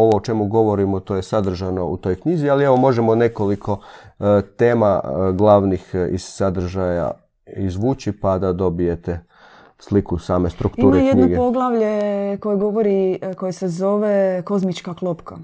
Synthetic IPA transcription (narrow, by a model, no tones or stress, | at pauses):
o̞ʋoːt͡ʃe̞muɡo̞ʋo̞ɾimot̪oːjesad̪r̩ʒano̞ut̪o̞jkɲizialie̞ʋo̞mo̞ʒemone̞ko̞likʰo̞ | t̪eːmaɡlˠaʋnixḭz̥sad̪r̩ʒaja̰ | izʋuːt͡ɕipad̪ad̪o̞bije̞t̪e | slikusaːme̞st̪ɾukt̪uːmɾejedɲoɡepoɡlˠaʋʎeko̞jeɡo̞ʋoɾiko̞jesezo̞ʋeko̞zmit͡ʃkaklˠopka